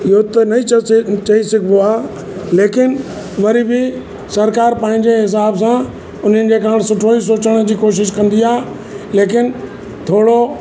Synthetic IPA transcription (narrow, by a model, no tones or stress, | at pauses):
ɪɦot̪ɐnɐit͡ɕɐisɪɡʱboaː | leːkɪn | ʋɐɾibɪ | sɐɾkaːɾpãːɦɪ̃ɲd͡ʑeɦɪs̬aːbsã | ʊn̤ənɪ̆d͡ʑeːkaːɽ̃sʊʈʰoːis̬oːt͡ɕəɽ̃̆d͡ʑiːkoːʃ̬ɪʃ̬kɐ̃nd̪iaː | leːkɪn | t̪ʰoːɽo